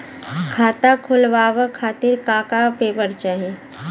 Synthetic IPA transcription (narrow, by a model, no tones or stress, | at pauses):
kʰaːt̪akʰʊlʋaːʋəkʰaːt̪ɪɾkaːkapeːbəɾt͡ʃaːɦẽ